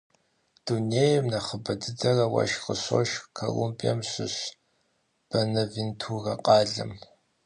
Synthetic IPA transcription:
d̥uneːjmnɐχəbɐdɨd͡zɐrɐwɐ̰ʃqəɕoʃkʰɐ̰lumpʼiɐmɕɨɕ | b̥ɐnɐvintʰuɣɐqʼɑːɮɨm

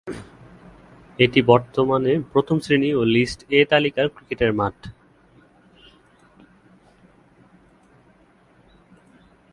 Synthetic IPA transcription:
eʈibɔɾt̪omanepɾot̪ʰomsɾiniolisʈet̪alikaɾkɾikeʈeɾmaʈʰ

